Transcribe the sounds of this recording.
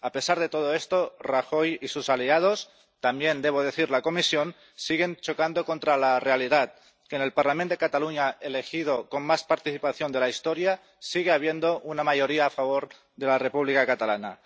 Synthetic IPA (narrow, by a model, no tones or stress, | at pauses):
ape̞saɾð̞e̞t̪o̞ð̞o̞e̞st̪o̞raxo̞jisusaliað̞o̞s | t̪ambje̞nd̪e̞β̞o̞ð̞e̞θiɾlako̞misjo̞n | siɣ̞e̞nt͡ʃo̞kand̪o̞ko̞nt̪ɾalare̞aliðat̪̚ | kene̞lpaɾlamend̪e̞kat̪aluɲaele̞xið̞o̞konmaspaɾt̪iθipaθjo̞nd̪e̞laist̪o̞ɾja | siɣ̞eaβ̞je̞nd̪o̞ʔunamaʝo̞ɾiaːfaβ̞o̞ɾ | ðe̞lare̞puβlikakat̪alana̰